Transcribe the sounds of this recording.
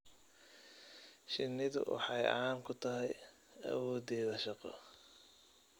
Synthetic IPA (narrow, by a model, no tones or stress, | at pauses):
ʃɪnːɪðʊ̰wʔɑ̰ħɑjʔɐ̰aːŋkʰʊt̪ʰɐɦɛj | ɐ̰wɔːd̪ɛːðɐʃɑqɔ̰